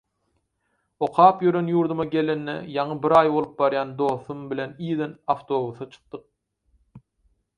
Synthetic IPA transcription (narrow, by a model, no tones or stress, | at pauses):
o̞qʰɑːpjøɾø̞njuːɾd̪umɑɡʲe̞lenːḛjɑɴɯbiɾɑːjbo̞lˠɯp̚bɑɾjɑːnd̪o̞ːθumbilʲe̞niːðenɑft̪ʰo̞ːβuθɑt͡ʃʰɯ̥q̚d̪̥ɯq̚